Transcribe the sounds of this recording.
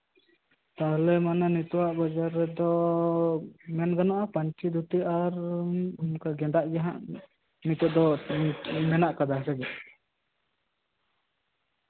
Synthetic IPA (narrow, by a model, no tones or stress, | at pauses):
t̪aɦlɛmananit̪uwaʔbad͡ʒaɾɛd̪ɔ | mɛnɡanaʔapaɲt͡ʃid̪ut̪iaɾ | mkaɡɛd̪aʔɡɛɦaʔ | nit̪uʔd̪ɔ | mɛnaʔkad̪asɛɡɛ